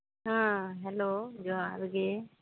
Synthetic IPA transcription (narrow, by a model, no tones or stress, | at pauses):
ɦãːɦɛloːd͡ʒoaɾɡe